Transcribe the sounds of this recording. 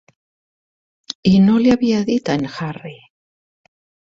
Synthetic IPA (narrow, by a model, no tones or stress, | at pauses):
inoljaβiaðit̪anxari